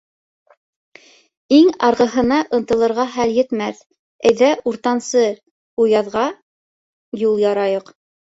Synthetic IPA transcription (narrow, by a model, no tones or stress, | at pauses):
iŋɑɾʁɤ̆ɦɤ̆nɑʔɤ̆nt̪ɤ̆lˠɤ̆ɾʁɑχæljɘ̆t̪mæθ | ɘ̆jðæuɾt̪ɑnsɤ | ujɑðʁɑ | julˠjɑɾɑjɤq